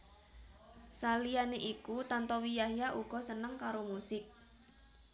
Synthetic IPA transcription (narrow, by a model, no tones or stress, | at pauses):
salijaneʔikut̪ant̪ɔwijahjaʔuɡ̥ɔ̤sənəŋkaɾomusɪk̚